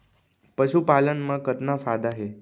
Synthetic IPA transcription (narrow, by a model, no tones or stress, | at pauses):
pəʃupalənmãkət̪nãfad̪aɦe